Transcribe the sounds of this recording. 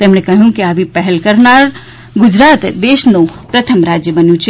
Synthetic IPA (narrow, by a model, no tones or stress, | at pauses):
t̪emnẽkɐɦjũkiabʱipɛɦɛlkəɾnaːɾ | ɡʊd͡ʒɾaːt̪d̪eːʃnupɾət̪ʰəmɾaːd͡ʒjəbɐnjũt͡ʃʰi